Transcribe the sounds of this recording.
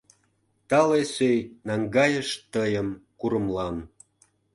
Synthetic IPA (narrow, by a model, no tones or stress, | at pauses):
t̪ɑlesøjnɑŋɡɑjəʃt̪əjəmkuɾə̆mlɑn